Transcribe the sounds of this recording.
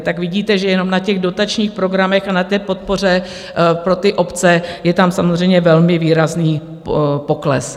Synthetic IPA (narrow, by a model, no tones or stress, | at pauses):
t̪akvɪɟiːt̪ɛʒɛjɛno̞mnacɛɣdo̞t̪at͡ʃɲiːxpɾo̞ɡɾamɛxanat̪ɛːpo̞t̪̚po̞r̝ɛ | pɾo̞t̪ɪʔo̞pt͡sɛjɛt̪amsamozr̝ɛjmɲɛvɛlmɪviːɾazniː | po̞klɛ̰s